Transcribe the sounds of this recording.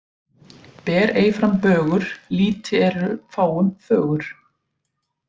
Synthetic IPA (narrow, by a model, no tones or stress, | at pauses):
pɛːɾeːjfɾampœːɣʏɾ̥liːt̪ɪɛɾʏfaːwʏmfœːɣʏɾ̥